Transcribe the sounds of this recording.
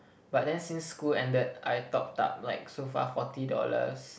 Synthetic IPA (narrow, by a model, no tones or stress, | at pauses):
bat̚dɛ̃nsĩnsːkulɛ̃ndəd̚ajtɔp̚ta̰p̚laɪk̚sofa̰fɔtidɔ̰lə̰s